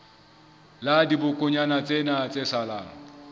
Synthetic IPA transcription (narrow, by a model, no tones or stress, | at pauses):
ladibʊkʼʊɲanat͡sʼenat͡sʼesalaːŋ̩